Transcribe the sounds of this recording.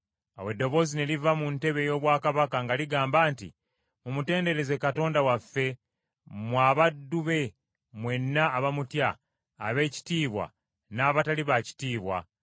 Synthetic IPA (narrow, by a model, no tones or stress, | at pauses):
awe̞dːo̞βo̞ːzine̞livamunte̞βe̞jo̞ːβwaːkaβakaŋɡaliɡaːmbaːntḭ | mumute̞ːnde̞ɾe̞ze̞kato̞ːndawafːe̞ | mwaːβadːuβe̞ | mwe̞nːaːβamutjaː | βe̞ːci̥tiːβwa̰ | naːβataliβaci̥tiːβwa̰